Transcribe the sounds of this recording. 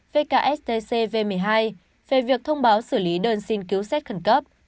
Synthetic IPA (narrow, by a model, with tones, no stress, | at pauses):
ve˧kaː˧ʔɛ˦˥t̪e˧se˧ve˧mɨ˨˩əjɦaː˧j | ve˧˩vi˨˩ək̚t̪ʰə˧wŋ͡mɓaː˨˦wsɨ˧˩li˨˦ɗəː˧nsi˧nki˨˦wsɛ˦˥t̚xə˧˩nkə˦˥p̚